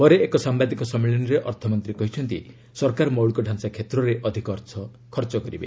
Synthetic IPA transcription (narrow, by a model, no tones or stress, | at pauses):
bɔɾeːkɔsambad̪ikɔsɔmiɭɔnɔɾeʔɔɾt̪ʰɔmɔnt̪ɾikɔɦit͡ʃʰɔnt̪i | sɔɾkaɾɔmɔwɭikɔɖʱansakʰet̪ɾɔɾeʔɔd̪ʱikɔɾt̪ʰɔ | kʰɔɾt͡ʃɔkɔɾibḛ